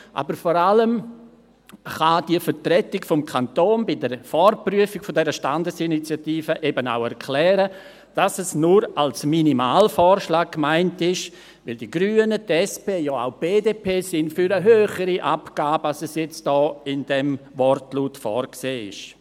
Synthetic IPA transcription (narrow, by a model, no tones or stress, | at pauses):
ʔa̰bəɾfɔɾaləm | χad̥iəfəɾtrɛtɪkfɔmkʰantoːnbɪdəɾfɔrpryəfɪɡ̥fɔdɛɾəʃtandəsinit͡sjatiːfəʔebəna̰ʊɛɾkʰlɛːɾə | d̥asɛsnuɾalsminimaːlfɔːɾʃlaːk̚kːmaɪntɪʃ | ʋɪldiɡ̥ɾyːənətɛspeːjɔa̰ʊb̥eːdeːpʰeːsɪndfyɾəɦøːχəɾiʔapɡ̥aːbəalsɛsjɛt͡st̚d̥ɔːɪndɛmvɔrtluːtfɔːrkseːɪ̰ʃ